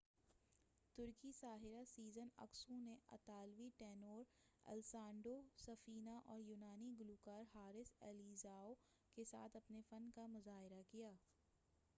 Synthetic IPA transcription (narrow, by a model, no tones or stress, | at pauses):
t̪ʊɾkisaːɦɪɾasiːzənɐ̰ksũneɐ̰t̪aːlʋiʈɛːnoːɾɐ̰lsãːɳɖosɐfiːnaʔɔːɾjuːnaːniɡʊluːkaːɾɦaːɾɪsɛːliːzaːo | kesa̰ːt̪ʰɐpnefɐnkamʊzaːɦɪɾakijaː